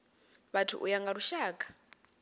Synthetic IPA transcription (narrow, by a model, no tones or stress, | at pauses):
βatʰṵʔujaŋɡaɾuʃaːkʼḁ